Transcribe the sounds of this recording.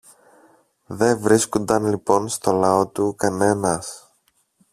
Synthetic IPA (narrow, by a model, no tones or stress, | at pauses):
ðe̞vɾiskond̪ɐnlipo̞nst̪o̞lɐo̞t̪ukɐne̞nɐs